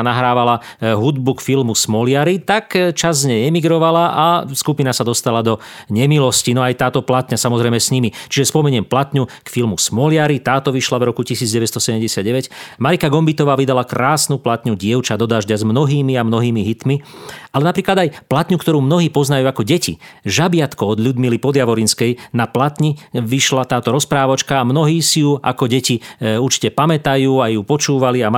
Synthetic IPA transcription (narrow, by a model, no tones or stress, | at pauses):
naɦɾaːʋala | ɦud̪bukfilmusmɔlɪaɾit̪akt͡ʃazɲɛɛmiɡɾɔʋalaʔaskupinasad̪ɔst̪alad̪ɔ | ɲɛmilɔscinɔajt̪aːt̪ɔplat̪ɲasamɔzɾɛjmɛsɲimit͡ʃiʒɛspɔmɛɲɪɛmplat̪ɲukfilmusmɔlɪaɾit̪aːt̪ɔʋiʃlavɾɔkucisiːd͡zɟɛʋɛcst̪ɔsɛɟɛmɟɛsɪad̪̚ɟɛʋɛcmaɾikaɡɔmbit̪ɔʋaːʋid̪alakɾaːsnuplat̪ɲuɟɪɛʊt͡ʃad̪ɔd̪aːʒɟazmnɔɦiːmiamnɔɦiːmiɦit̪mialɛnapɾiːklad̪ajplat̪ɲukt̪ɔɾuːmnɔɦiːpɔznajuːakɔɟɛcḭʒabɪat̪kɔɔd̪ʎud̪milipɔd̪jaʋɔɾinskɛjnaplat̪ɲiʋiʃlat̪aːt̪ɔɾɔspɾaːʋɔt͡ʃkaːmnɔɦiːsijua̰kɔɟɛciuɾt͡ʃi̥cɛpamɛt̪ajuːajupɔt͡ʃuːʋaliam